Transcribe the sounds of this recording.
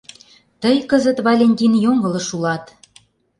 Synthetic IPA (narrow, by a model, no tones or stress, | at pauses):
t̪əjkəzə̆t̪βɑlʲenʲtʲinjoŋɡɤ̆lɤ̆ʃulɑt̪